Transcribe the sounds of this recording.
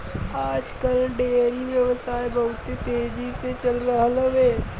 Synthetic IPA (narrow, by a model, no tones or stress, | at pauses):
aːd͡ʒkəlɖeːɾiʋjɐʋsaːebɐɦʊt̪ẽt̪eːd͡ʒiset͡ʃɐlɾɐɦləʋeː